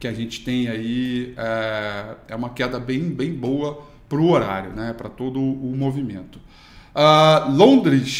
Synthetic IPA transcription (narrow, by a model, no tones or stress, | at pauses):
kɪaʒẽt͡ʃɪ̥t̪ẽj̃aiɛ | ɛ̰ũmɐkɛd̪ɐbẽj̃bẽj̃bowɐ | pɾʊoɾa̰ɾjʊnɛpɾɐt̪od̪ʊːmovimḛ̃nt̪ʊ̥ | alõd̪ɾɪʃ